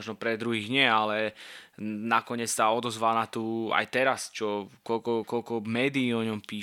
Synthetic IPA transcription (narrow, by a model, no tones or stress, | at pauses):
ʒnɔpɾɛd̪ɾuɦiːɣɲɪɛalɛ | nakɔɲɛt͡ssaɔd̪ɔzʋalnat̪uːa̰jt̪ɛɾast͡ʃɔkɔlkɔkɔlkɔmɛːd̪iːɔɲɔmpiː